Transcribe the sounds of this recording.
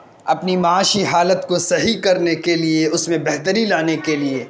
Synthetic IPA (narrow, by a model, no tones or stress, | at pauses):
ɐpnimaaːʃiɦaːlət̪kosɐɦikɐɾnekelieʊsmẽbɛɦt̪əɾilaːnekelieː